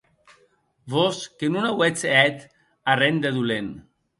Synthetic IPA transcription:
βɔskenunawet͡sɛt̪ | arend̪eðulen

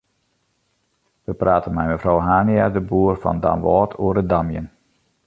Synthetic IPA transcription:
ʋəpraːtənmɛjməfrɔwɦaːniadəbuːərfɔ̰nda̰mʋɔːtʰuəɾədamjə̰n

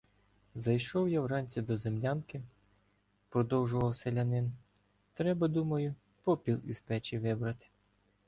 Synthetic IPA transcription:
zɐjʃɔwjawrɑnʲt͡sʲid̪ɔzemlʲɑnkɪ | pɾɔd̪ɔwʒʊʋɐwselʲɐnɪn | t̪ɾɛbɐd̪umɐjʊ | pɔpʲilˠizpɛt͡ʃiʋɪbɾɐt̪ɪ̥

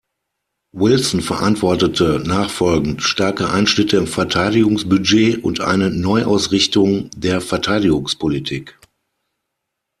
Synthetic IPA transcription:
wɪlsn̩fɛɐʔantv̥ɔɐtətʰənaːχfɔlɡn̩tʃtaɐkəʔaɪnʃnɪtəɪmfɛɐtʰaɪdɪɡʊŋsb̥yd͡ʒeːʔʊ̰ntʔa̰ɪnənɔʏʔa̰ʊsʁɪçtʊŋdeːɐfɛɐtʰaɪdɪɡʊŋspʰolitʰiːk

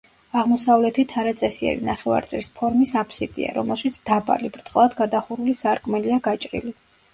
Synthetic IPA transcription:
aʁmɔsavlɛt̪ʰit̪ʰaɾat̪sʼɛsiɛ̰ɾḭnaχɛva̰ɾt̪sʼɛlispʰɔɾmisapʰsit̪ʼḭa̰ɾɔmɛlˠʃit̪sʰd̪aba̰libɾt̪ʼqʼlˠad̪ɡad̪aχuɾulisaɾkʼmɛliaɡat͡ʃʼɾḭli

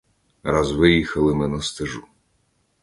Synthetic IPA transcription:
razʋɪjixɐlˠɪmɪnɐst̪ɪʒu

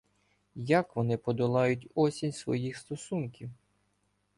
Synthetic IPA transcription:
jakʋɔnɪpɔd̪ɔlˠɑjʊtʲɔsʲinʲsʋɔ̰jixst̪ɔsunkʲiw

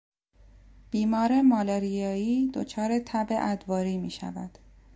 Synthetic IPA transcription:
b̥iːmɒːɾemɒːleɾijɒːiːd̪o̰t͡ʃʰɒːɾe̞t̪ʰæbḛʔæd̪vɒːɾiːmiːʃæ̰væd̪̥

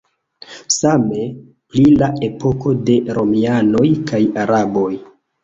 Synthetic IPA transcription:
same̞ | plilae̞po̞ko̞de̞ɾo̞miano̞jkajaɾabo̞j

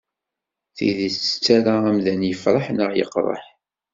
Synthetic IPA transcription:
θḭðiθt͡sːə̥t͡sːaɾaæmðænjəfɾˤəħnəʁjə̰qːɾˤə̰ħ

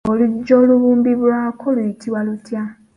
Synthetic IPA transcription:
olud͡ʒoluβuːmbiβuɾakʰoluitʰiwalutja

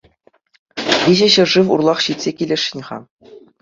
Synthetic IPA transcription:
ʋʲiʑɘ̆ɕɤ̆rʐɘmṵrlˠɑχɕit̪ʲsʲekʲilʲĕʂʲɘ̆nʲʁɑ̰

